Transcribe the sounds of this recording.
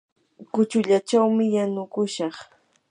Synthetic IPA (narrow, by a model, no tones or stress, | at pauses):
kʊt͡ʃʊʎat͡ʃawmɪjanʊkʊʃɑχ